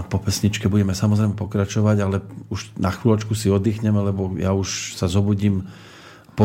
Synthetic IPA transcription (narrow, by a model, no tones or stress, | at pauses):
pɔpɛsɲit͡ʃkɛbuɟɛmɛsamɔzɾɛjmɛpɔkɾat͡ʃɔʋaɟalɛuʃnaxʋiːlɔt͡ʃkusiɔd̪iːxɲɛmɛlɛbɔjauʃsazɔbuɟiːm | pɔ